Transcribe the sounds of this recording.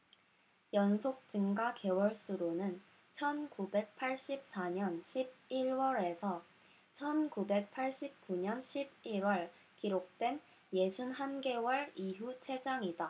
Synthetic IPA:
jʌnsʰok̚t͡ɕɯŋɡake̞wʌɭs͈uɾonɯn | t͡ɕʰʌnkube̞k̚pʰaɭɕ͈ip̚s͈aɲʌnɕʰib̚iɭwʌɾe̞sʰʌ | t͡ɕʰʌnkube̞k̚pʰaɭɕ͈ip̚k͈uɲʌnɕʰib̚iɾwʌɭ | kiɾok̚t͈we̞n | je̞d͡ʑʰunɦanɡe̞wʌɭiɦut͡ɕʰe̞d͡ʑaŋida

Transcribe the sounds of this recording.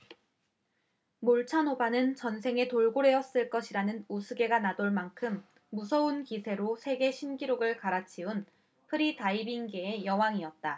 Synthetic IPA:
moɭt͡ɕʰanɦobanɯnt͡ɕʌnsʰe̞ŋe̞toɭɡoɾe̞ʌs͈ɯɭk͈ʌɕʰiɾanɯnusʰuɡe̞ɡanadoɭmaŋkʰɯmː | usʰʌunkisʰe̞ɾosʰe̞ɡe̞ɕʰinɡiɾoɡɯɭkaɾat͡ɕʰiun | pʰɯɾitaibinɡeejʌwaŋiʌt̚t͈a

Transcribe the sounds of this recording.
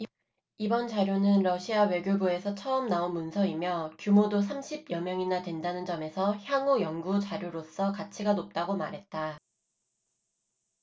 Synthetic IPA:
ibʌnd͡ʑaɾjonɯnɾʌɕʰiawe̞ɡjobue̞sʰʌt͡ɕʰʌʌmnaonmunsʰʌimjʌkjumodosʰamɕʰib̚jʌmjʌŋinadwe̞ndanɯnd͡ʑʌme̞sʰʌçjaŋujʌŋɡut͡ɕaɾjoɾos͈ʌkat͡ɕʰiɡanop̚t͈aɡoma̰ɾɦe̞t̚t͈a

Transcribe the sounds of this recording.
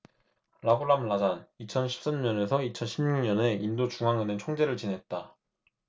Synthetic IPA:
ɾaboɾamɭad͡ʑanit͡ɕʰʌnɕʰi̥p̚s͈amɲʌne̞sʰʌit͡ɕʰʌnɕʰimɲuŋɲʌne̞indot͡ɕuŋɦaŋɯnent͡ɕʰoŋd͡ʑe̞ɾɯɭt͡ɕinɦe̞t̚t͈a

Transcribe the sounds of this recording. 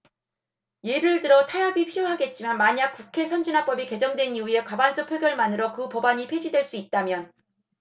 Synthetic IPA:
je̞ɾɯɭdɯɾʌtʰajabipʰiɾjoɦaɡe̞t̚t͡ɕ͈imanmaɲak̚k͈ukʰe̞sʰʌnd͡ʑinɦap͈ʌbike̞d͡ʑʌŋdwe̞niue̞kwabans͈ʰɯpʰjeɡjʌɭmanɯɾʌkɯpʌbaɲipʰe̞d͡ʑidweɭs͈uit̚t͈amjʌn

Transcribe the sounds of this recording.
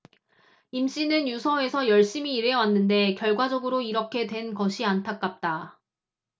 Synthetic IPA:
imɕ͈inɯnjusʰʌe̞sʰʌjʌɭɕ͈imiːɾeʌwanːɯnde̞kjʌɭɡwad͡ʑʌɡɯɾoiɾʌkʰe̞dwe̞nɡʌɕʰiantʰak͈ap̚t͈a

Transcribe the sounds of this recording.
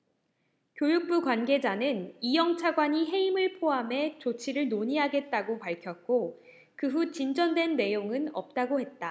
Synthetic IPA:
kjojuk̚p͈ukwanɡe̞d͡ʑanɯnijʌŋt͡ɕʰaɡwaɲiɦe̞imɯɭpʰoamɦe̞t͡ɕot͡ɕʰiɾɯɭnoɲiɦaɡe̞t̚t͈aɡopaɭkʰjʌk̚k͈o | kɯɦut͡ɕind͡ʑʌndwe̞nːe̞joŋɯnʌ̰p̚t͈aɡohe̞t̚t͈a

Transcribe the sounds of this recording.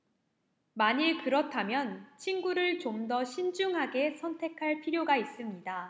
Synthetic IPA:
maɲiɭkɯɾʌtʰamjʌnt͡ɕʰinɡuɾɯɭt͡ɕomdʌɕʰind͡ʑuŋɦaɡe̞sʰʌntʰe̞kʰaɭpʰiɾjoɡais͈ɯmɲida

